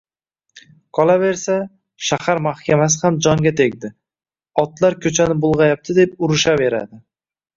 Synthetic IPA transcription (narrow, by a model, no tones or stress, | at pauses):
qʰɒlˠabe̞ɾsa | ʃahaɾmahkʲʰamas̬ɪhamd͡ʒɒŋɡʲat̪ʰe̞ɡʲd̪ɪ | ɒt̪laɾkʲʰɵt͡ʃʰanɪbʊlˠʁɑjap̚t̪ʰɪd̪e̞pʊɾɪʃave̞ɾa̰d̪ɪ